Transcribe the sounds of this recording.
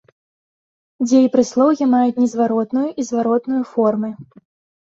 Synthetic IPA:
d͡zʲɛjipɾɨslˠɔwɣʲimajut͡sʲnʲɛzvaɾɔt̪nujuʔizvaɾɔt̪nujufɔrmɨ

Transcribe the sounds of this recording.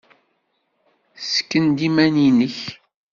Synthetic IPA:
sə̥kːənd̪imæninəç

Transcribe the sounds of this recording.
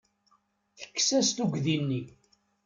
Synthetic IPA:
θə̥kːsæst̪uɡðinːi

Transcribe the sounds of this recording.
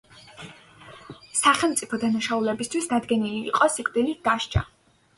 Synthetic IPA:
saχɛlˠmt̪sʼipʰɔd̪anaʃaulɛbist̪ʰwisd̪ad̪ɡɛnilḭːqʼɔsikʼd̪ilid̪̥aʃt͡ʃʰʼa̰

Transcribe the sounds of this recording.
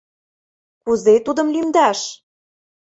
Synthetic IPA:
kuzet̪ud̪ɤ̆mlymd̪æʃ

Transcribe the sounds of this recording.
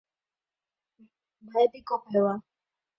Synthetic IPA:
bʱaɛbikɔpawa

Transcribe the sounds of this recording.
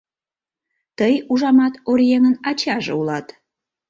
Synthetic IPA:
t̪əjuʒɑmɑt̪orjeŋənɑt͡ɕɑʒḛulɑt̪

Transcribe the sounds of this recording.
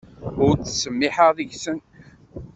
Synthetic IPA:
ʊɾθə̥səmːɪħəʁðəʝsən

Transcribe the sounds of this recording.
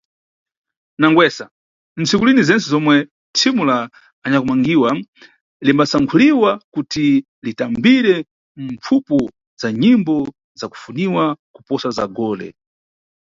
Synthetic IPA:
naŋɡwɛsa | n̩t͡sikulinizɛnt͡sɛzɔmwɛ | tʰimulaː | ɲakumaŋɡiwa | limbasaŋkʰuliwakuti | litambiɾɛ | ɱp͡fʰupɔ | zaɲimbɔ | zaku̥funiwakupɔsaza̰ɡɔːlɛ̰

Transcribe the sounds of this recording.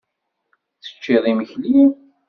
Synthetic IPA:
θə̥t͡ʃːiðˤiməçlin

